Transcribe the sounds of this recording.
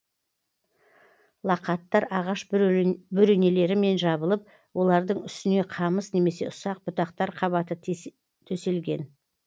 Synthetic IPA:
lˠɑqɑt̪ːɑɾɑʁɑʃbʏɾene̞le̞ɾɪme̞nʒɑbəlˠəp̚ | wo̞lˠɑɾd̪əɴʏst̪ɪne̞qʰɑməsne̞me̞se̞ʔʊsɑq̚bʊt̪ɑq̚t̪ɑɾqʰɑβɑt̪ə | t̪ʰɵse̞lɡʲe̞n

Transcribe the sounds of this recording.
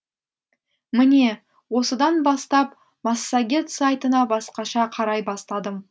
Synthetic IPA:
mɪne̞ | wo̞səd̪ɑnbɑst̪ɑp | mɑsːaɡʲe̞t̪sajt̪ənɑbɑsqɑʃɑqʰɑɾɑjbɑst̪ɑd̪əm

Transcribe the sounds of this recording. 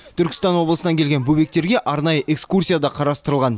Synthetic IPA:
t̪ʰʏɾkʲɪ̥st̪ɑnwo̞blˠəsənɑŋkʲelɡʲenbɵbe̞k̚t̪e̞ɾɡʲe̞ʔɑɾnɑjəʔe̞kskursʲijad̪ɑqʰɑɾɑst̪əɾəlˠʁɑn

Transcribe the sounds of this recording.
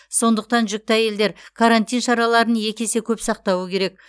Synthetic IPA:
so̞nd̪əq̚t̪ɑnʒʏk̚t̪ɑje̞ld̪e̞ɾkʰaɾant̪ijnʃɑɾɑlˠɑɾənje̞kʲe̞se̞kʲʰɵpsɑq̚t̪ɑwəkʲʰe̞ɾe̞k̚

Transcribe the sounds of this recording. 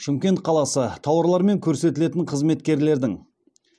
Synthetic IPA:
ʃɪmkʲe̞nt̪̚qʰɑlˠɑsət̪ʰɑwəɾlˠɑɾme̞ŋkʲʰɵɾse̞t̪ɪle̞t̪ɪɴqʰəzme̞t̪kʲe̞ɾle̞ɾd̪ɪŋ

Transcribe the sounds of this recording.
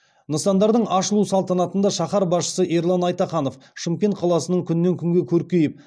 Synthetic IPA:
nəsɑnd̪ɑɾd̪əɴɑʃəlˠusɑlˠt̪ɑnɑt̪ənd̪ɑʃɑχɑɾbɑsʃə̥səʔeɾlˠɑnɑjt̪ɑχɑno̞fʃəmkʲe̞ŋt̪̚qʰɑlˠɑsənəɴkʲʰʏnɪne̞ŋkʲʰʏŋɡʲekʲʰɵɾkʲe̞jɪp̚

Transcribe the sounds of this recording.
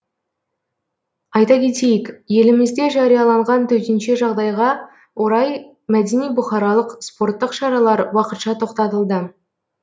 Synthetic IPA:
ɑjt̪ɑkʲʰe̞t̪e̞jɪkje̞lɪmɪzd̪e̞ʒɑɾijɑlˠɑɴʁɑnt̪ʰɵt̪enʃe̞ʒɑʁd̪ɑjʁɑ | wo̞ɾɑj | mæd̪e̞nijbʊχɑɾɑlˠəqspo̞rt̪ːəqʃɑɾɑlˠɑɾwɑqət̪ʃɑt̪ʰo̞qt̪ɑt̪əlˠd̪ə

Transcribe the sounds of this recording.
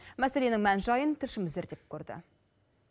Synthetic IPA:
mæse̞le̞nɪŋmænʒɑjənt̪ʰɪɾʃɪmɪzeɾd̪ep̚kʰʲɵɾd̪ɪ̰

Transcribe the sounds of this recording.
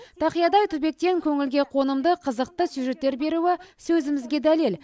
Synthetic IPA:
t̪ʰɑqijɑd̪ɑjt̪ʰʏbe̞k̚t̪e̞ŋkʲʰɵŋɪlɡʲe̞qʰo̞nəmd̪əqʰəzəq̚t̪əsjuʒe̞t̪ːe̞ɾbe̞ɾuɪsɵzɪmɪzɡʲe̞d̪ælel

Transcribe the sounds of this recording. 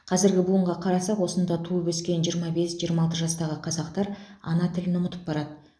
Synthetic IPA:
qʰɑzɪɾɡʲɪbʊəɴʁɑqʰɑɾɑsɑqwo̞sənd̪ɑt̪ʰuəbɪskʲe̞nʒijəɾmɑbe̞sʒijəɾmɑlˠt̪̬əʒɑst̪ɑʁəqʰɑzɑqt̪ɑɾɑ̰nɑt̪ʰɪlɪnʊmət̪ə̥p̚bɑɾɑd̪ə

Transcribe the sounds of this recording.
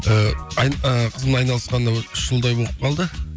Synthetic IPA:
əjəqʰəzəmɑjnɑlˠəsqɑnd̪ɑwʏʃʒ̥əlˠd̪ɑjboəp̚qʰɑlˠd̪ə

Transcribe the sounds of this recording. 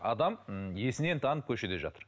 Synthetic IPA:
ɑ̰d̪ɑmje̞sɪne̞nt̪ʰɑnəp̚kʲʰɵʃe̞t̪e̞ʒɑ̰t̪əɾ

